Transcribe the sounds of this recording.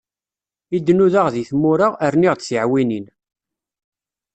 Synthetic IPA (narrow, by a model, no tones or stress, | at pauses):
id̪ːnuðaʁðiθmʊɾaʁəɾniʁd̪siʕwinin